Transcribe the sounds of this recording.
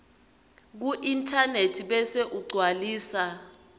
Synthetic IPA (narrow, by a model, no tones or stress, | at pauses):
k̬uʔintʰʼanetʰiɓɛseʔuɡ͡ǀʱwaliːsa